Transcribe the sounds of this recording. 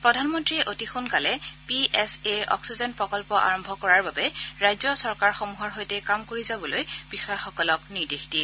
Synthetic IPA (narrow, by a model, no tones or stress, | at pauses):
pɹɔdʱanmɔntɹiɛʔotixunkalɛpiɛseʔɔ̰ksizɔnpɹɔkɔlpɔʔa̰ɹɔmbʱɔkɔɹaɹbabɛɹajzɔsɔɹkaɹxomuɦɔɹɦojtɛkamkoɹizabɔlojb̥ixɔjxɔkɔlɔkniɹdexti